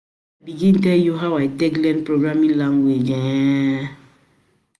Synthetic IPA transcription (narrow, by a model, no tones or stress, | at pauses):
abiɡĩntɛljuɦaʊajtɛklɛ̃npɾoɡɾamĩŋlãŋɡwed͡ʒɛ̃